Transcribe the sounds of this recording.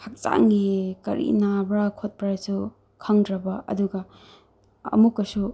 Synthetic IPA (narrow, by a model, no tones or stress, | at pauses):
hʰak̚t͡ʃa̰ŋɡikɐ̰ɾʔḭnabɾakʰot̚paɾasu | kʰɐŋdɾɐbɐɐ̰duɡɐ | ɐ̰mukːɐsu